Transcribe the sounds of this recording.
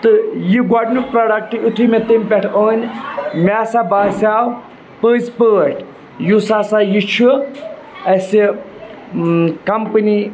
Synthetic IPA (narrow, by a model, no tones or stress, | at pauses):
t̪ɨjiɡaɖnupɾaːɖɐk̚ʈiut̪ʰumet̪impʲɛʈʰəːnʲmʲaːsabaːsaːw | pəːspəːʈ | jusaːsajit͡ʃʰu | ɐsi | kɐmpɨni